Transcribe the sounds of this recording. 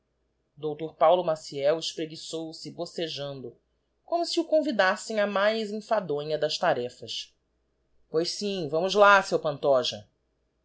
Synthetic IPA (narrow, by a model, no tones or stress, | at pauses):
d̪owt̪oɾpawlʊmasiɛwɪʃpɾeɡisowsɪboseʒɐ̃nd̪ʊ | kõmʊsiukõvid̪asẽj̃ɐmajzĩfad̪õɲɐd̪ɐʃt̪aɾɛfɐʃ | pojʃsĩvɐ̃mʊzlasewpɐ̃nt̪ɔʒɐ